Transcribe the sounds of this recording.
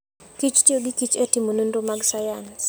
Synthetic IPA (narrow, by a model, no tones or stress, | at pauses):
kit͡ʃtioɡikit͡ʃɛtimonondomaɡsajans